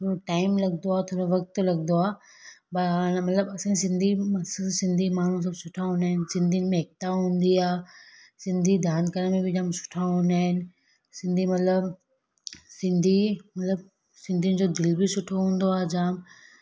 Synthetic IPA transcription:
t̪ʰoːɾoʈaːɪmlɐɡ̚nd̪oaːt̪ʰoːɾoʋɐk̚t̪lɐɡnd̪oaː | banmɐt̪ləbɐsãsɪ̃nd̪ʱiɐssɪ̃nd̪ʱimaːɳ̤ũs̬ɐbsʊʈʰaɦũːnd̪aːɦɪnɪ̆sɪ̃nd̪ʱijʊnɪ̆mẽɦɪk̚t̪aɦũːn̆d̪iaː | sɪ̃nd̪ʱid̪ʱaːnd̪kəɾənmẽbɪd͡ʑaːmsʊ̥ʈʰaɦũːnd̪aːɦɪnɪ̆ | sɪ̃nd̪ʱimɐt̪ləb | sɪ̃nd̪ʱimɐt̪ləb̚ | sɪ̃nd̪ʱiʊnɪ̆d͡ʑoːd̪ɪlbɪsʊʈʰoɦũːn̆d̪oaːd͡ʑaːm

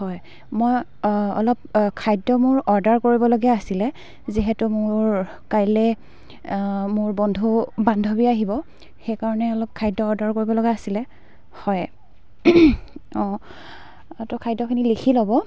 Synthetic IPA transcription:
hɔj | moj | ɔ̰lɔp̚kʰajdɔmʊɹɔɹdaɹkoɹibɔlɔɡɛasilɛ | ziɦɛtumʊɹ | kajlɛ | mʊɹbɔndʱubandʱɔbiaɦibɔ | xejkaɹɔnɛɔlɔp̚kʰajdɔːɹdaɹkoɹibɔlɔɡɛasilɛ | hɔj | ɔ̃ | tɔkʰajdɔkʰinilikʰilɔbɔ

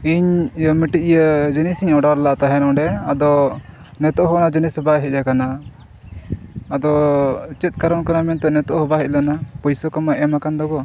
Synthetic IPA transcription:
iɲjəmiʈiʔjəd͡ʒənisiɲɔɖaɾlaʔt̪aɦɛnɔ̃ɖɛad̪ɔ | nɛt̪ɔʔɦɔnad͡ʒənisbajɦɛc̚ˀakana | d̪ɔt͡ʃɛt̪̚kaɾɔnkanamɛnt̪ɛnɛt̪ɔʔɦɔbaɦɛc̪̚lanapɔjsɔkamaʔɛmakand̪ɔɡɔ

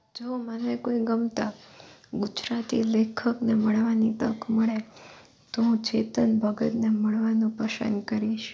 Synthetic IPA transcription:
d͡ʒomanekoiɡəmt̪aɡud͡ʒɾat̪ḭlekʰəkneməɭʋanit̪əkʰməɭe | t̪oɦũt͡ʃet̪ənbʱəɡət̪neməɭʋanũpəʃə̰nkəɾiʃ

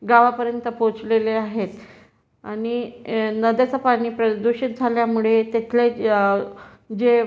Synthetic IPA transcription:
ɡaʋapəɾjənt̪əpot͡sleleaɦet̪ | aɽ̃inəd̪jat͡sapaɽ̃iːpɾəd̪uɕit̪̚d͡zʱaljamuɭet̪et̪ʰle | d͡ʑe

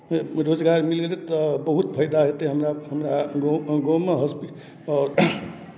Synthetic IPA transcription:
ɾozɡaɾmilɡelet̪ɔbəɦut̪pʰəjd̪aɦet̪eɦəmɾaɦəmɾaɡoɡomeɦɔspi | ɔːɾ

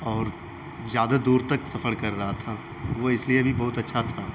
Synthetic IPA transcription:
ɔːɾ | zjaːd̪ad̪uːɾt̪ɐksɐfəɽkɐɾːɐɦat̪ʰa | ʋoɪsliebʱibɐɦʊt̪ɐtːʃʰat̪ʰaː

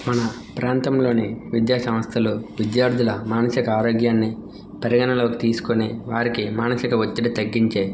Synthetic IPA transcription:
mɐnɐ | pɾaːnt̪ɐmlo̞ːniʋid̪jaːsɐmɐst̪ʰɐluʋid̪jaːɾd̪ʱulɐmaːnɐsikɐaːɾoːɡjaːnːi | pɐɾiɡɐnɐlo̞ːki̥t̪iːsu̥koniʋaːɾikimaːnɐsikɐʋot̪ːiʈɐt̪ɐɡːiɲt͡ʃeː

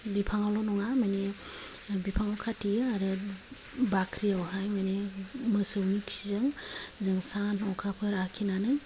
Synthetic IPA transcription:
bipʰaŋawlɔnɔŋamajne | bipʰaŋawkʰatijaɾɯ | bakʰɾiawɦajmajnemɯsɯwniksizɯŋzɯŋsanɦɔwkʰapʰɯɾakʰinanɯ

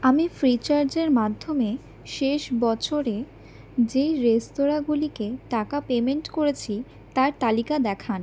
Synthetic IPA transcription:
amifɾit͡ɕaɾd͡ʑeɾmad̪ʱːome | ʃeʃbɔt͡ɕʰoɾe | d͡ʑejɾest̪oɾaɡulikeʈakapemeɳʈkoɾet͡ɕʰi | t̪aɾt̪alikad̪ɛkʰan

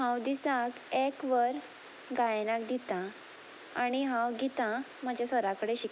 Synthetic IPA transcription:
ɦãwd̪isãkɛkʋəɾ | ɡajnakd̪it̪ã | aɽ̃iɦãwɡit̪ã | mad͡ʑʱjasəɾakəɽeɕik

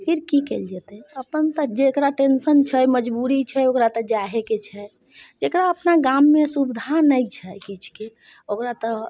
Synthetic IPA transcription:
pʰiɾkikɛld͡ʒɛt̪ɛəpənt̪əd͡ʒekɾaʈensənt͡ʃʰɛjməd͡ʒbuɾit͡ʃʰɛokɾat̪ɔd͡ʒaɦeket͡ʃʰɛ | d͡ʒekɾaəpnaɡamːesubid̪ʱanəjt͡ʃʰɛjkit͡ʃʰke | okɾat̪ɔ

